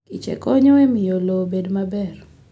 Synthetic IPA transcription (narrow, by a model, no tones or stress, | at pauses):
kit͡ʃɛ̰kɔɲɔɛmɪjolobedmabɛr